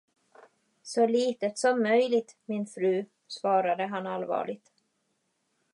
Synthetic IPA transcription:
sɔliːt̪ət̪sɔmːœjlɪt̪mɪnfɾʉ̟ː | svɑːɾad̪əɦanalvɑ̰ːɭɪɡ̚t̪

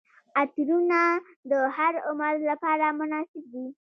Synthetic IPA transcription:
at̪ɾuna | d̪əhaɾʊməɾlapɑɾamʊnɑsɪb̚d̪i

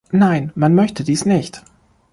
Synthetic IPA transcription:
naɪnmanmœçtʰədiːsnɪçt

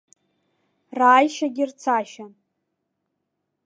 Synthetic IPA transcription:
raːjʃaɡʲɪrt͡sʰaʃan

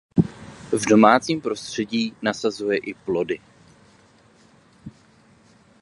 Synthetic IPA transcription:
vdo̞maːt͡siːmpɾo̞st̪r̝̥ɛɟiːnasazujɛʔɪplo̞dɪ

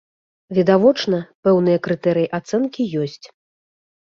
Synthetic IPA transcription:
vʲid̪avɔt͡ʂnɐpɛwnɨjɐkɾɨt̪ɛɾɨjiʔat̪sɛnkʲijɔsʲt͡sʲ

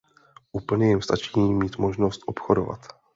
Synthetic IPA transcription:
ʔuːpl̩ɲɛjɛmst̪at͡ʃiːmiːt̪mo̞ʒno̞st̪ʔo̞pxodo̰va̰t̪

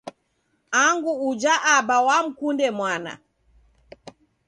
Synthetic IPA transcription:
aŋɡuːd͡ʒaʔabawam̩kundɛmwana̰

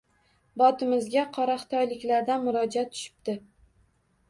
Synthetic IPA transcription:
bɒt̪ʰɪmɪzɡʲaqʰɒɾaχt̪ʰɒjlɪkʲlaɾd̪anmʊɾɒd͡ʒat̪ʰːʊ̥ʃɪ̥pt̪ɪ

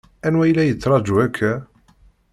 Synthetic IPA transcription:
ænwæjlæjət͡sːɾˤɑd͡ʒuækʰːæ

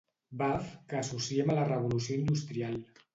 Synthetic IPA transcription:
bafkəːsusiemələrəβ̞ulus̬ijoind̪ust̪ɾialˠ

